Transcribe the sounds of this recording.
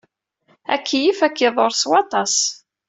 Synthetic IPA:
æ̰kːijifækːiðˤoɾswɑt̪ˤɑs

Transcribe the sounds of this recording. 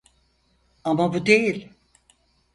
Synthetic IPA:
amabud̪ejilʲ

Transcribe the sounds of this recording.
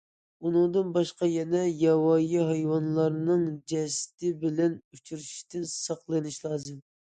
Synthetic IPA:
unɨŋd̪ɨnbɑʃqɑjɛnɛjɑwɑjiɦɑjwɑnlˠɑɾnɨŋd͡ʒɛst̪ɪbɪlɛnyt͡ʃʰyɾyʃi̥t̪ɪnsɑqlˠɨnɨʃlˠɑːzɨm

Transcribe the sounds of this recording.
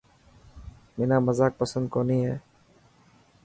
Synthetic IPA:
meːnaːməzaːk̚pəsə̃nd̪̚koːnĩːɦɛː

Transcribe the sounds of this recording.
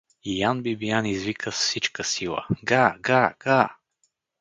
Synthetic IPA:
ijanbibijanizvikʰəsfsit͡ʃkəsilˠə̰ɡaɡaɡ̥a

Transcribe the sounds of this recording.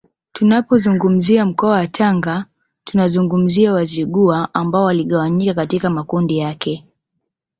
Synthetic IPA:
tunapɔzuŋɡum̩ziam̩kɔawatʰaŋɡa | tunazuŋɡum̩ziawaziɠuaambaɔwaliɠawaɲikakatikamakundijakʰɛ

